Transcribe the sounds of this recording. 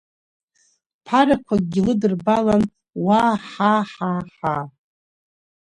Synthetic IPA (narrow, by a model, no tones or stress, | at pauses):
pʰaɾakʷʰaɡ̚ɡʲɪlɨdɨrbalan | waħaħaħa